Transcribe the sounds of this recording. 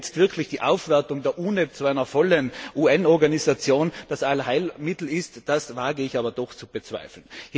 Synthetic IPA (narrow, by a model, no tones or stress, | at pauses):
t͡stv̥ɪɐkʰlɪçd̥iːʔa̰ʊfv̥ɛɐtʊŋdeːɐʔuːnət͡suaɪnɐfɔlənʔuːɛnɔɐɡanisat͡sjoːnd̥asʔalhaɪlmɪtl̩ɪstd̥asvaːɡəɪçaːbɐd̥ɔxt͡sub̥ət͡sv̥a̰ɪfl̩n̩h